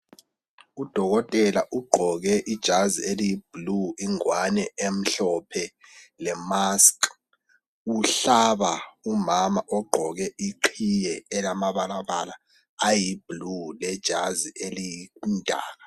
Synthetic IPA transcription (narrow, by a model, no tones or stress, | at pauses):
ud̥ʱɔɣɔtʼɛlaʔuɡ͡ǃʱɔɣɛʔid̥ʒ̥ʱazielijib̥luiŋwanɛem̩ɬɔpʰɛlɛmaskʼ | uɬaβaumamaʔɔɡ͡ǃʱɔɣɛʔiǃʰijɛːlamaβalaβala | ajib̥lulɛd̥ʒ̥ʱaziʔelijind̥ʱa̰ːɣa